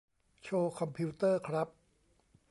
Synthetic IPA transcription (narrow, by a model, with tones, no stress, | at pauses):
t͡ɕʰoː˧kʰɔ˧mpʰi˦˥t̪ɤː˥˩kʰɾa˦˥p̚